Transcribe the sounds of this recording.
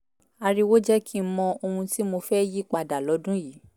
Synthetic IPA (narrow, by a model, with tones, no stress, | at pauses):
a˧ɾi˧wo˦d͡ʒɛ˦kʰi˦mɔ̃˧o˧hũ˧ti˦mo˧fɛ˦ji˦k͡pa˧da˨lɔ˨˦dũ˦ji˨˦